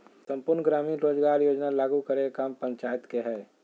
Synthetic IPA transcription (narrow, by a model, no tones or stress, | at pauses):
sə̃mpʊɾnɡɾaːmiːnɾoːd͡ʒɡaːɾjoːd͡ʒnalaːɡukəɾeekaːmpə̃ɲt͡ʃajət̪keɦɛː